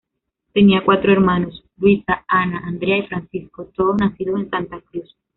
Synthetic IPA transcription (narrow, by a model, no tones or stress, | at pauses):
t̪e̞niakwat̪ɾoe̞ɾmano̞slwisaanaʔand̪ɾeaifɾansisko̞t̪o̞ðonasiðoensant̪akɾus